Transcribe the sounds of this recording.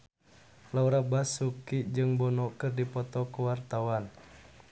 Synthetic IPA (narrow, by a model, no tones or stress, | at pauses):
lauɾabasukid͡ʒɨŋbɔnɔkɨrdipɔt̪ɔkuwart̪awan